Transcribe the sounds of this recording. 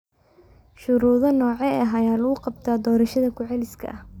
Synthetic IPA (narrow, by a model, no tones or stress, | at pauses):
ʃʊɾuːðɐnɔːʕɛɐɦɐjaːlɐɣʊqɑb̚t̪ʰaːd̪ɔːɾɐʃɐðɐkʰʊʕɛlɪskʰɐ̰ʔɐh